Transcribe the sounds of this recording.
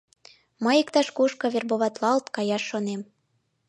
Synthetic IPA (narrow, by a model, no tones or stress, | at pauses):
məjikt̪ɑʃkoʃkɤ̆βerboβɑt̪lɑlt̪kɑjɑʃːonem